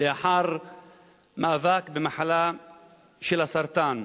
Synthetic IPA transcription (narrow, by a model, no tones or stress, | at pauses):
leʔaħaɾ | maʔavakbemaħala | ʃelasaɾt̪an